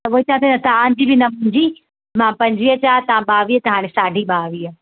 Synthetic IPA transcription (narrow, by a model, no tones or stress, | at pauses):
t̪ɐʋoːit͡ɕãːt̪ʰenɐt̪ɐãɲd͡ʑibɪnɐmũːɲd͡ʑi | mãːpɐ̃ɲd͡ʑʋiːət͡ɕaːt̪ɐãɓaːʋiɦət̪ɐɦaːɽ̃esaːɖʱiɓaːʋiːə